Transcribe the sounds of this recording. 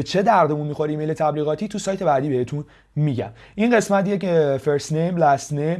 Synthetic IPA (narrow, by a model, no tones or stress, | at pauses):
et͡ʃʰe̞d̪æɾd̪emunmixo̞ɾiːmejlet̪ʰæbliːɣɒːt̪ʰiːt̪ʰusɒːjt̪ʰe̞bæːd̪iːbehe̞t̪ʰun | miːɟæ̰m | ʔinɢe̞smæt̪jecfeɾsnejmlæst̪nem